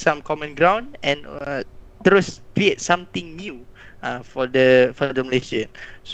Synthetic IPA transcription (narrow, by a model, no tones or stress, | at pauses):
sãmkʰɔmə̃nɡɹãw̃nɛ̃n | t̪ɾoskɾiet̚sãmt̪ĩŋnjuãfɔdəfɔdəməleʃə̃ns